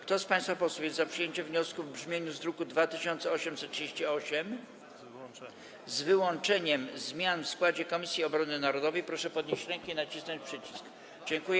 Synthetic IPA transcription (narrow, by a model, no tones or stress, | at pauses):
kt̪ɔspãj̃st̪fapɔswujɛst̪zapʂɨjeɲt͡ɕɛvɲɔskuvbʐmʲjeɲuzd̪ɾukud̪vat̪ɘɕɔnt̪sɛɔɕɛmt̪sɛtʂɨd͡ʑeɕt͡ɕiɔɕɛm | zvɘwɔnt͡ʂɛɲɛmzmʲjanfskwad͡ʑɛkɔmʲisʲjiɔbɾɔnɘnaɾɔd̪ɔvɛjpɾɔʂɛpɔd̪ɲeɕt͡ɕɾɛŋkɛinat͡ɕisnɔɲt͡ɕpʂɘt͡ɕi̥sk | d͡ʑɛŋkujɛ